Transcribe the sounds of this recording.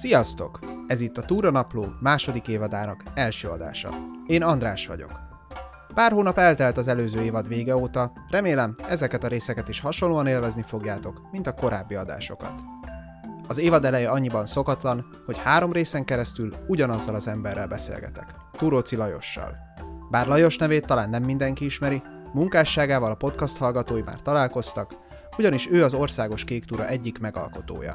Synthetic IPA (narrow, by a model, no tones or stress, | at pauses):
sijɒst̪o̞̰kɛzit̪ːɒt̪uːɾɒnɒploːmaːʃo̞d̪ikeːvɒd̪aːnɒkɛlʃøːɒ̰d̪a̰ːʃɒ̰eːnɒnd̪raːʃʋɒ̰ɟo̞̰k | paːrɦoːnɒpɛlt̪ɛlt̪ɒzɛløːzøːeːvɒd̪ʋeːɡɛoːt̪ɒ | rɛmeːlɛmɛzɛkɛt̪ɒɾeːsɛkɛt̪iʃhɒʃolːoːɒneːlvɛznifo̞ɡjaːt̪o̞kmint̪ɒko̞ɾaːbːiɒd̪a̰ːʃo̞̰kɒ̰t̪ | ɒzeːvɒd̪ɛlɛjɛɒɲːibɒnso̞kɒt̪lɒn | ho̞chaːɾo̞mreːsɛŋkɛɾɛst̪yluɟɒnɒzːɒlɒzɛmbɛrːɛlbɛsḛːlɡɛ̰t̪ɛ̰k | t̪uɾot̪silɒjo̞̰ʃːɒ̰l | baːrlɒjo̞ʃnɛveːt̪ːɒlaːnːɛmːind̪ɛŋkiiʃmɛɾi | muŋkaːʃːaːɡaːvɒlɒpo̞t̪kɒst̪hɒlɡɒt̪oːjima̰ːrt̪ɒlaːlko̞st̪ɒk | uɟɒniʃøːɒzo̞rsaːɡo̞ʃkeːkt̪uɾɒ̰ʔɛɟːikmɛɡɒ̰lko̞t̪o̰ːjɒ̰